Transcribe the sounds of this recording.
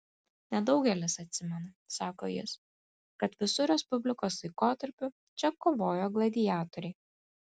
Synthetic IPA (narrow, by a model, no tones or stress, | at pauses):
nʲɛd̪ɒʊɡʲɛlʲɪsɐt̪ʲsʲɪmʲɛnɐ | sɑːko̰ːjɪ̰s | kɐt̪ʋʲɪsʊɾʲɛspʊbʲlʲɪkoːslˠɐɪkoːt̪ɐɾʲpʲʊ | t͡ʃʲɛkoːʋoːjoːɡlˠɐd̪ʲɪjaːt̪oɾʲɛɪ